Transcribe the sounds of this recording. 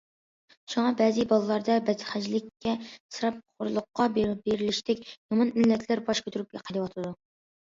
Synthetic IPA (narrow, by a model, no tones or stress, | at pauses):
ʃuŋɑbɛzɪbɑlˠɨlˠɑɾd̪ɑbɛt̪χæd͡ʒlɪkʲʰːɛsɨɾɑp̚χʊɾlˠʊqːɑbbeɾɪlɪʃt̪ʰɛkʲjɑmɑnmɪlːɛt̪ʰlæɾbɑʃkʲʰøt̪ʰyɾyp̚ɡʲɛqʰəd̪ɨwɑt̪ʰɨd̪u